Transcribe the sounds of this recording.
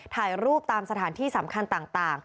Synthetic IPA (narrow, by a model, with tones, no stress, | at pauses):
t̪ʰaː˨˩jɾuː˥˩p̚t̪aː˧msa˧t̪ʰaː˩˦nt̪ʰiː˥˩sa˩˦mkʰa˧nt̪aː˨˩ŋt̪aː˨˩ŋ